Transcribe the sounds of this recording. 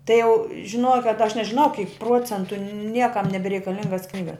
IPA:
tɐɪ jɛʊ ʒʲɪˈnuɔjɛ kɐt ɐʃ nʲɛʒʲɪˈnɐʊ kʲiːk ˈpruɔt͡sʲɛntʊ ˈnʲiɛkɐm nʲɛbʲɛrʲɛɪkɐˈlʲɪŋɡɐs ˈknʲiːɡɐs

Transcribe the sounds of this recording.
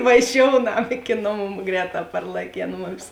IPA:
ʋɐˈʒʲoːʊnɐm ɪkʲɪ ˈnoːˌmuː ˈɡrʲɛːˌtɑː pɐrlˠɐˈkʲeːn ˈmʊmʲɪs

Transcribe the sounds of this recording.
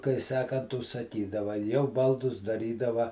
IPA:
kɐɪ ˈsɑːkɐnt ʊʃsɐˈkʲiːdɐʋɐ jɛʊ ˈbɐlˠdʊs dɐˈrʲiːdɐʋɐ

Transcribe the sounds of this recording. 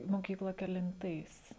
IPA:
moːˈkʲiːklˠɐ kʲɛlʲɪnˈtɐɪs

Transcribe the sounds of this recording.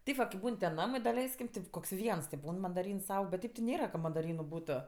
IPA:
ˈtʲɛɪp ʋɐ kɐɪp ˈbuːn tʲɛn ˈnɑːmɐɪ dɐˈlʲɛɪsʲkʲɪm ˈtʲɪp koːks ˈʋʲiɛns tʲɪ ˈbuːn mɐndɐˈrʲiːns ˈɐʊk bʲɛt ˈtʲeːp tʲɪ ˈnʲeːrɐ kɐ mɐdɐˈrʲiːnʊ ˈbuːtoː

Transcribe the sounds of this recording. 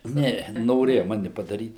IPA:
ˈnʲɛ noːˈrʲeːjɛ ˈmɑːnʲɪ pɐdɐˈrʲiːt

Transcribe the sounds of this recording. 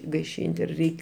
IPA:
ɡɐɪˈʃʲiːnʲtʲ ɪr ˈrʲɛɪkʲ

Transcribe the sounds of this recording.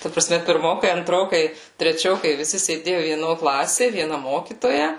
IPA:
tɐ prɐˈsʲmʲɛ pʲɪrˈmoːkɐɪ ɐnˈtroːkɐɪ tʲrʲɛˈt͡ʃʲoːkɐɪ ʋʲɪˈsʲɪ sʲeːˈdʲeːjʊ ʋʲiɛˈnoː ˈklˠɑːsʲeː ʋʲiɛˈnɐ ˈmoːkʲiːtoːjɛ

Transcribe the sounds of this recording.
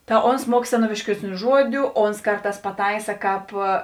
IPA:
tɐ ˈoːns ˈmuɔk sʲɛˈnoːʋʲɪʃʲkʲiɛsʲˌnʲuː ˈʒuɔdʲʊ ˈoːns ˈkɐrˌtɑːs pɐˈtɐɪsɐ ˈkɑːp

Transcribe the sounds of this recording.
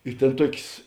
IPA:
ɪ ˈtʲeːn ˈtuɔkʲeːs

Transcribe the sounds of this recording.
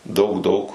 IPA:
ˈdɐʊk ˈdɐʊk

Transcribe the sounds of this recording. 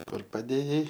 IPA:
ˈkʊr pɐˈdʲeːjɛɪ

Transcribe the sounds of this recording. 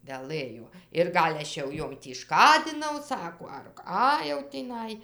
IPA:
ʋʲɛˈlˠɘjoː ɪr ˈɡɐlʲ ˈɐʃ jɛʊ ˈjoːm tʲiː ˈʃkɑːdʲɪnɐʊ ˈsɑːkoː ɐr ˈkɑː jɛʊ tʲiːˈnɐɪ

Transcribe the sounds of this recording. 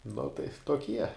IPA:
nʊ tɐɪ toːˈkʲiɛ

